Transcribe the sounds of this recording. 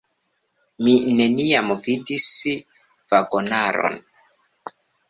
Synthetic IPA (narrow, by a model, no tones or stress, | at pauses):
mine̞niamvidis | vaɡo̞naɾo̰n